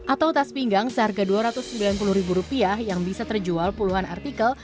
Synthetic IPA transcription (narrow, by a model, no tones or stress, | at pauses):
ʔat̪awt̪aspiŋɡaŋsəɦarɡaduaɾat̪ʊsːəmbilanpulʊhɾibuɾupiahjaŋbisat̪ərd͡ʒualpuluɦana̰rt̪ikəl